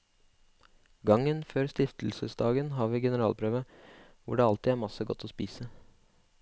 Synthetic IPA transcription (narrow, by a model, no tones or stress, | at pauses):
ɡɑŋənføːɾst̪ɪft̪l̩səsd̪ɑːɡənɦɑːɾʋiːɡɛnəɾɑːlpʰɾøːʋə | ʋʊ̰ɖeːɑlt̪ɪæːɾmɑsəɡɔt̪ʰːɔspiːsə